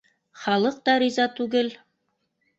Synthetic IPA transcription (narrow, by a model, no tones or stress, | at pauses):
χɑlˠɤq̚t̪ɑɾʲizɑt̪ʉɡɘl